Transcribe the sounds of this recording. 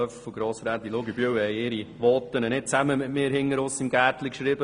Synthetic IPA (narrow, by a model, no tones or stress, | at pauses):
œfuɡ̥ɾoːsɾæd̪iloɡibyøwəhɛɪɪɾiʋɔt̪ːənənɪt̚t͡sæməmɪtmɪːɾhɪŋːəɾʊsɪmɡætlikʃɾibə